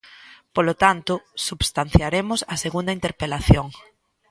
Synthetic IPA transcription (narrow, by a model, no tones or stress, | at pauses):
polot̪ant̪ʊsubst̪an̟θjaɾemʊsɐseɣund̪ɐint̪eɾpelaθjoŋ